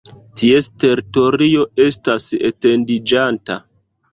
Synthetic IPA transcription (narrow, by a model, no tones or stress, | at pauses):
tieste̞ɾito̞ɾio̞e̞stasḛte̞ndid͡ʒanta